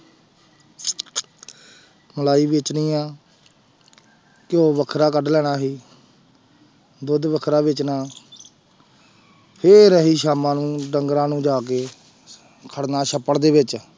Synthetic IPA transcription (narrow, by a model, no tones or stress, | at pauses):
məlaːiːʋeːt͡ʃnĩːãː | kɪjoːʋəkʰɾaːkəɖlɛːɽaːɦiː | d̪ʊd̪ʋəkʰɾaːʋɪt͡ʃnãː | pʰeːɾəɦiːʃaːmãːnũːɖəŋɡɾãːnũːd͡ʒaːk̬eː | kʰəɽnaːʃʰəpːəɽd̪eːʋɪt͡ʃ